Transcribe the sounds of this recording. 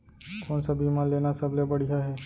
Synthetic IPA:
koːnsabimãleːnasɐblebɐɽijaɦɛː

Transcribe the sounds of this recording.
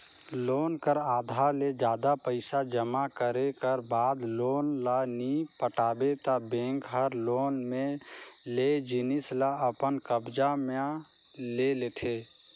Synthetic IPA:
loːnkəɾaːd̪ʱaɾled͡ʒjaːd̪apəɪsad͡ʒəmakəɾekəɾbaːd̪loːnlanipəʈaːbet̪abẽːŋkɦəɾloːnmẽled͡ʒɪnɪslaəpənkəbd͡ʒame | leleːt̪ʰeː

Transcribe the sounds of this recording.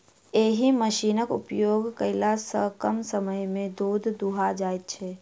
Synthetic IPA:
eːɦiməʃiːnəkṵpjoːɡkəɪlasəkəmsəməjmẽd̪oːd̪ʱd̪uɦad͡ʒaːjt̪̚t͡ʃʰɛ

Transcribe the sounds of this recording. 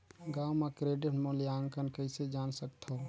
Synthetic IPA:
ɡaːwmakɾeːɖɪʈmolijaːŋkənkəɪsed͡ʒaːnsək̚t̪ʰo

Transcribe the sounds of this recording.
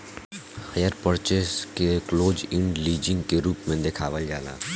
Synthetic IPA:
həjəɾpəɾt͡ʃeskekloːd͡ʒɪ̃ɳɖliːd͡ʒɪ̃ŋɡkeɾuːpmẽd̪ekʰaːʋəld͡ʒaːla̰ː

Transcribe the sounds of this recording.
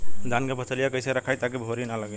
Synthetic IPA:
d̪ankepəsʰəlijakəjseɾəkʰajt̪ak̬ibʱoɾinaləɡɛ

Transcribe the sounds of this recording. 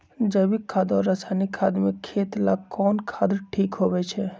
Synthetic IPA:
d͡ʒəbikʰːaːd̪ɔɾːəsanikʰaːd̪mekʰːeːt̪la̰kɔːnkʰad̪əɾʈʰiːkɦobɛt͡ʃʰɛ

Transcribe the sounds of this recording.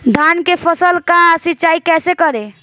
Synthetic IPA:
d̪ʱankepʰəsəlkasitːt͡ʃaikɛːsekəɾe

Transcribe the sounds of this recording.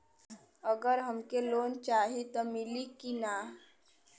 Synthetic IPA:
əɡəɾɦəmkeloːnt͡ʃaːɦit̪omɪlikina

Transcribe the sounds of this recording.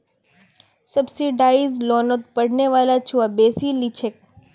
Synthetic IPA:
səbsiɖaːizloːnot̪̚pəɽneʋaːlat͡ʃʰuabeːsilit͡ʃʰek̚

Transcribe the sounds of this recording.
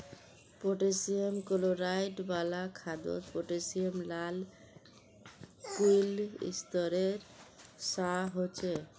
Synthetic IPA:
poʈesiemkoloɾajʈbalakʰad̪o̰spoʈesiemlal | kujlḭst̪ɔɾeɾsaɦot͡ɕʰe

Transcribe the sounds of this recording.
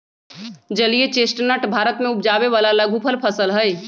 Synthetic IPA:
d͡ʒəlijet͡ʃesʈnəʈbʱaɾət̪mẽupd͡ʒabeʋalalaɡʱupʰəlpʰəsəlɦəj

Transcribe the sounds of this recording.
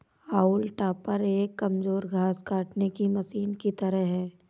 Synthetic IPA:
aːulʈaːpəɾeːkːɐmzoːɾɡʱaːskaːʈnekimɐsiːnkit̪ɐɾəɦɦɛː

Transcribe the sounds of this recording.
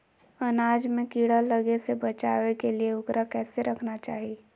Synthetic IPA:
ɐnaːd͡ʒmẽkiːɽəːəɡesebɐt͡ʃaːʋekelieʊɡɾakɛːseɾɐkʰnat͡ʃaːɦi

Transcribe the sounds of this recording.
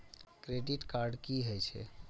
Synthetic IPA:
kɾeɖiʈkaɾɖkiɦojt͡ʃʰɛ̰

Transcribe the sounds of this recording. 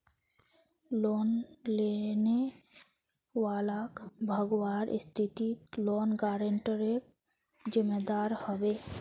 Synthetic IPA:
lonlene | walakbʱʌɡowaɾʔst̪ʰit̪it̪lonɡaɾeɳʈəɾek | d͡ʒimed̪aɾhɔbe

